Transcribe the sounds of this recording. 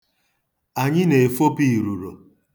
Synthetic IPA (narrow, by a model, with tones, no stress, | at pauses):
a˨ɲɪ˦ne˨e˨fo˦pi˦˨ɾu˨ɾo˨